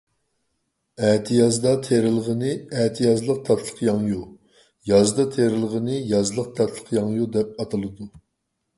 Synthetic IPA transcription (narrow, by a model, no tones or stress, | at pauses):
ɛt̪ʰijɑzd̪ɑt̪ʰeɾɪlˠəʁənɨɛt̪ʰijɑzlˠəq̚t̪ʰɑt̪ʰlˠə̥qʰjɑŋju | jɑzd̪ɑt̪ʰeɾɪlˠəʁənɨjɑzlˠəq̚t̪ʰɑt̪ʰlˠə̥qʰjɑŋjud̪ɛp̚ɑt̪ʰɨlˠɨd̪u